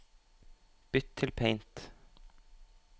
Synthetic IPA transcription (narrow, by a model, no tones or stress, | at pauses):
b̥ʏt̪ʰːɪlpʰeɪnt̪